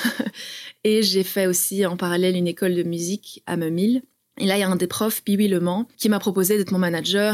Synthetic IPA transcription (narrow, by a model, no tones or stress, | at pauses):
eʒefɛosiɑ̃paʁalɛlynekɔld̪əmyzika̰məmil | elailaɛ̃d̪epχɔfpiwiləmɑ̃kʲimapχɔpozed̪ɛt̪χmɔ̃manaʒœʁ